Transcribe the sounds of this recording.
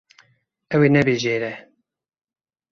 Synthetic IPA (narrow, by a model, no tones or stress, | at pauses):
ɛweːnɛbeːʒeːɾɛ